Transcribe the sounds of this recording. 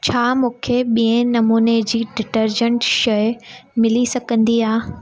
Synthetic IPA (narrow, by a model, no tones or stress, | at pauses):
t͡ɕʰaːmũːkʰeɓiːə̃nɐmuːned͡ʑiːɖɪʈəɾd͡ʑə̃ɳʈʃɐjmɪlisɐɡʱə̃nd̪iaː